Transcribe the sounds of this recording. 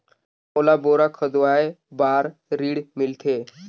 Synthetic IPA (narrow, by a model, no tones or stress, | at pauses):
molaboɾakʰəd̪ʋajbaɾɾiːɽmilt̪ʰe